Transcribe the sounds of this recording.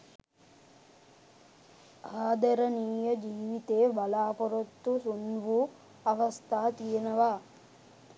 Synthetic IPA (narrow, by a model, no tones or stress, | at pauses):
aːd̪ɐɾɐniːjɐd͡ʒiːʋit̪eːbɐlaːpɔɾot̪ːusunʋu | ɐʋɐst̪ʰaːt̪iːnɐʋaː